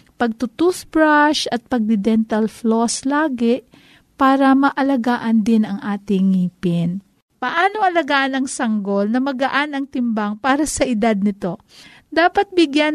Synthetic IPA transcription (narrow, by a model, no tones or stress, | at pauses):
pɐɡ̚t̪ʊt̪usbɹaʃɐt̪̚pɐɡ̚d̪ɪd̪ɛnt̪ɐlfloslaːɡɛʔ | paːɾɐmɐʔɐlɐɡaːʔɐnd̪ɪnɐŋʔaːt̪ɪŋːiːpɪn | pɐʔaːno̞ʔɐlɐɡaːʔɐnɐŋsɐŋɡo̞lnɐmɐɡɐʔanɐŋt̪ɪmbaŋpaːɾɐsɐʔɪd̪ad̪̚nɪt̪o̞ | d̪aːpɐt̪̚bɪɡjan